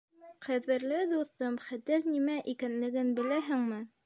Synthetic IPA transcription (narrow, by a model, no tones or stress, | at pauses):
qæðɘ̆ɾlɘd̪uθɤmχæt̪ɘɾnimæʔikænlɘ̆ɡɘnbɘ̆læɦɘŋmɘ